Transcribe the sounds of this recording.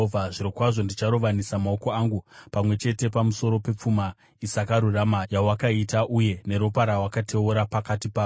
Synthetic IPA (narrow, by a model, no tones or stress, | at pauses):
vaʐiɾokwaʐo̞ndit͡ʃaɾo̞ʋanisamaoko̞aːŋɡupamwe̞t͡ʃe̞te̞pamuso̞ɾo̞pe̞p͡fuma | isakaɾuramajawakaitaʔuje̞ne̞ɾopaɾawakate̞uɾapakatipaːo